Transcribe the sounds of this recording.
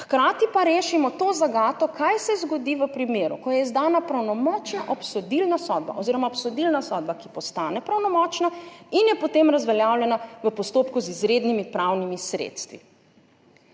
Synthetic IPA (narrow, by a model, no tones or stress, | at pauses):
xkɾaːt̪ipaɾeːʃimɔt̪oːzaɡaːt̪ɔkʰajsɛzɡɔd̪iʋəpɾimeːɾṵkɔjɛizd̪aːnapɾawnɔmɔːt͡ʃnaʔɔpsɔd̪ilnasɔd̪̚ba̰ʔɔziɾɔmaɔpsɔd̪ilnasɔd̪̚bakipɔst̪aːnɛpɾawnɔmɔt͡ʃnainjɛpɔt̪emɾazʋɛljaːwljɛnaʋəpɔst̪oːpkuzizɾeːd̪nimipɾawnimisɾḛːt̪st̪ʋḭ